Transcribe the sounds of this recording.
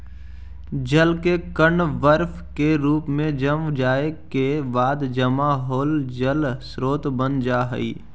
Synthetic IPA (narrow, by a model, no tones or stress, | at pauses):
d͡ʒəlkekəɳʋəɾf | keɾuːpmẽd͡ʒəmʋd͡ʒaːekebaːd̪d͡ʒəmaɦoːld͡ʒəlsɾoːt̪bənd͡ʒaːɦə̰ḭː